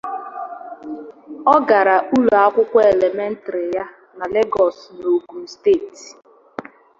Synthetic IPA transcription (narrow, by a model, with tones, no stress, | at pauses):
ɔ˦ɡa˨ɾa˨u˦lu˨a˦kʷʊ˦kʷɔ˦e˨le˨me˦n̩˦tɾɪ˨ja˦ | na˨le˦ɡɔ˨sno˨ɡu˨m̩˦steː˦˨ti̥˨